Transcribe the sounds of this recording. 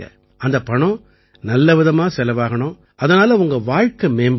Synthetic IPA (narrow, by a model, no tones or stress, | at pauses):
ɐ̰ | ɐnd̪ɐpɐɳɔ̃ | nɐlːɐʋɪðɐmaːsɛlɐʋaːɣɐɳʊ̃ | ɐðɐnaːlɐʊŋɡɐʋaːɻkɐmeːmb